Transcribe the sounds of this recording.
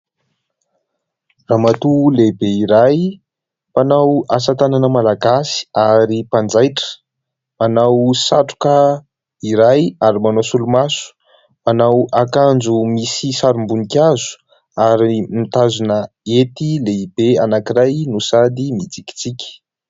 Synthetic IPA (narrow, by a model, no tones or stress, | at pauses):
raːmat̪ulebeiɾaj | panawasat̪ananəmalaɡasi̥aɾipand͡zajʈ͡ʂə̥ | manawsaʈ͡ʂu̥kə | iɾajaɾimanasulumasu̥ | manawakand͡zumisisaɾumbunikʲazu̥ | aɾimit̪azunə | et̪ileibeanakiɾajnusad̪imid͡ziki̥t͡sikʲə̥